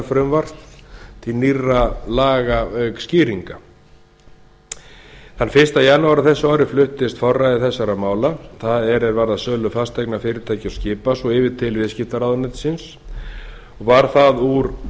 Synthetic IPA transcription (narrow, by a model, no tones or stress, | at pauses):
fɾʏmvar̥t̪t̪ʰiniralaːɣaœksciːɾiŋka | θanːfɪr̥st̪ajanːuaɾaθɛsːaɔːɾɪflʏht̪ɪst̪fɔrːajðɪθɛsːaɾamaːwlaθaðɛɾɛɾvaɾðasœːlʏfast̪ejknafɪːɾɪɾt̪ʰaːjcɪascɪːpasɔɪːvɪt̪ʰɪlvɪðscɪft̪aɾaðʏnɪt̪sɪns | ɔɣvaɾ̥θaðuɾ